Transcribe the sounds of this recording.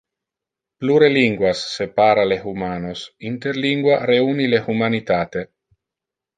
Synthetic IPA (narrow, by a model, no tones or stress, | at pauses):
pluɾeliŋɡwasːepaːɾalexumaːnosint̪eɾliŋɡwaɾeunilehumanit̪aːt̪e